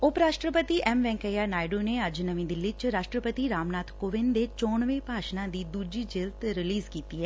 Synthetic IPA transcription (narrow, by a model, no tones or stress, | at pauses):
ʊpɾaːʃʈɾəpət̪iːʔɛːmʋɛ̃ːŋkəjaːnaːɪɖoːneːəd͡ʒnəʋĩːd̪ɪlːiːt͡ʃɾaːʃʈɾəpət̪iːɾaːmnaːt̪ʰkoːʋɪnd̪eːt͡ʃɔːɳʋẽːpaːʃnãːd̪iːd̪uːd͡ʒiːd͡ʒɪlt̪ɾɪliːzkiːt̪iːɦɛː